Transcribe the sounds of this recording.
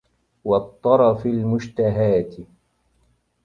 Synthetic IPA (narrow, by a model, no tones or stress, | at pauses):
wɑt̪ˤːɑɾˤɑfalmʊʃt̪aɦaːt̪ɪ